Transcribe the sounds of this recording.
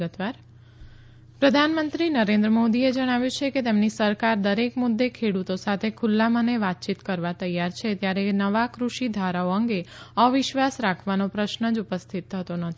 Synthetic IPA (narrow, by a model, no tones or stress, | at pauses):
ɡət̪ʋaɾ | pɾəd̪ʱanmənt̪ɾinəɾẽnd̪ɾəmod̪ied͡ʒəɽ̃aʋjũt͡ʃʰeket̪emnisəɾkaɾd̪əɾekmʊd̪ːekʰeɽut̪osat̪ʰekʰʊlːaməneʋat̪̚t͡ʃit̪kəɾʋat̪əjaɾt͡ʃʰet̪jaɾenəʋakɾuʃid̪ʱaɾaoəŋɡeəʋɪʃʋasɾakʰʋanopɾəʃnəd͡ʒupəst̪ʰit̪̚t̪ʰət̪onət̪ʰi